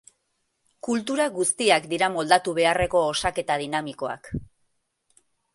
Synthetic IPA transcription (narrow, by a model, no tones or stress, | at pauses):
kult̪̬uɾaɣust̪iakd̪iɾamo̞ld̪at̪uβ̞e̞are̞ko̞ːsake̞t̪að̞inamiko̞a̰k